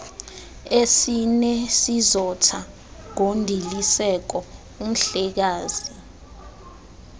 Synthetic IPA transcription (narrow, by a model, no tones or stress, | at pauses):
esinɛsizɔtʰa | ŋondʱilisɛk̬ɔ | um̩ɬɛk̬aːzi